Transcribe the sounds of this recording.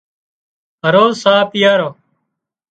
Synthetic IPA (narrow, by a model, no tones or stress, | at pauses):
ɦəɾoːsaːpɪjaːɾoː